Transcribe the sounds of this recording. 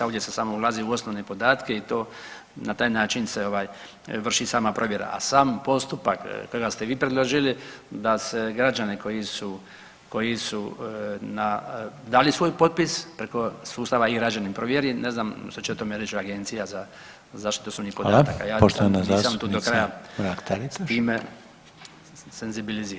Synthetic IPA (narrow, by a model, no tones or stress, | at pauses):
oʋdjesesaːmoulˠaːziuo̞sno̞ʋnepo̞d̪aːt̪keit̪o̞ː | nat̪aːjnaːt͡ʃinseo̞ʋaːj | ʋr̩ʃisaːmapɾo̞ʋje̞ɾa̰ʔa̰saːmpo̞st̪upakkːoiɡast̪eʋiːpɾed̪lˠoʒilid̪aseɡɾad͡ʒaneko̞jisu | ko̞jisunad̪aːlisʋo̞jpo̞t̪̚pispɾeko̞suːst̪aʋaiɡɾad͡ʒanimpɾoʋjeɾine̞znamʃt̪ot͡ʃeot̪omeɾet͡ʃoaɡe̞nt̪sijaza | zaʃt̪i̥t̪osobnipod̪t̪akajaːpoʃt̪oanazasamt̪uːd̪okɾajaɾakt̪aɾit̪at̪iːme | senzibiliziːɾa